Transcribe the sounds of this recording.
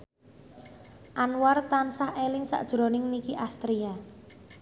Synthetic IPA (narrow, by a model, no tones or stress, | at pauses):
ʔanwart̪ansahelɪŋsa̰ʔd̥ʒ̥ɾɔnɪŋnikiʔast̪ɾia